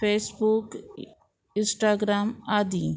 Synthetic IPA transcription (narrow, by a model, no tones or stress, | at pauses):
peːsbuk | ɪ̃nsʈaːɡɾaːmaːd̪i